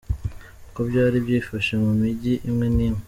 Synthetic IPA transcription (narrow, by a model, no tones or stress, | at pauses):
kobjaːɾibjiːfaʃemumiɟiʔimŋe̞niːme